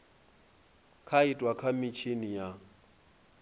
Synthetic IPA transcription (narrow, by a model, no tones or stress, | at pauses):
kʰaɪtʼwakʰamɪt͡ʃʰenija